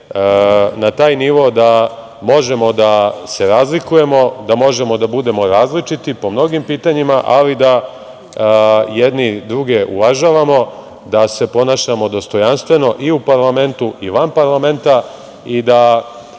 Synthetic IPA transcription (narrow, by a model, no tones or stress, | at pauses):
nat̪aːjniʋo̞d̪a | mo̞ʒe̞mo̞d̪ase̞ɾaːzlikuje̞mo̞d̪amo̞ʒe̞mo̞d̪abud̪e̞mo̞ɾaːzlit͡ʃit̪ipo̞mno̞ɡimpiːt̪aɲimaʔalid̪a | jed̪nid̪ɾuɡe̞ʔṵʋaʒaːʋamo̞ | d̪ase̞po̞naːʃamo̞d̪o̞st̪o̞janst̪ʋe̞no̞ʔiupaɾlˠame̞nt̪uʔiʋanpaɾlˠame̞nt̪a | id̪a